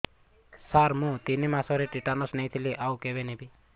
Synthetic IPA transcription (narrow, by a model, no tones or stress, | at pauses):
saɾmũt̪inimãsɔɾiʈiʈanɔsnɛjt̪ʰiliʔaukebenebi